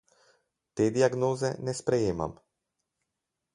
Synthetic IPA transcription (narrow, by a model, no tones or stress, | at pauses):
t̪ɛd̪iaɡnɔzɛnɛspɾɛjɛma̰m